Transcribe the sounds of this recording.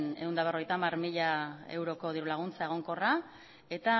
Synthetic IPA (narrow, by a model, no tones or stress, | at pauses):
ne̞und̪aβ̞ro̞ejt̪aːmarmiʎae̞̰wɾo̞ko̞ð̞iɾulaɣ̞unt͡sae̞ɣ̞o̞ŋko̞ra | e̞t̪a